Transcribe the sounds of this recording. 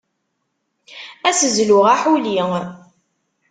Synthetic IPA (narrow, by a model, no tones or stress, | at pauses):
æsəzlʊʁaħuliŋ